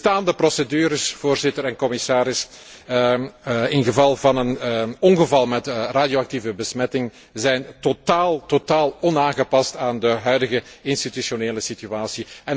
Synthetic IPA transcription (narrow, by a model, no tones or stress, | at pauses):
taːndəprɔsədyːɾəsv̥oːrzɪtəɾɛnkɔmɪsaːɾɪs | ɪnɣəvɑlˠvɑnənɔnɣəvɑlˠmɛtraːdjoɑk̚tivəbəsmɛtɪŋ | zɛjntotaːlˠtotaːlˠɔnaːnɣəpɑstaːndəɦœɥdəɣəɪnstitysoneːləsityaːsiɛn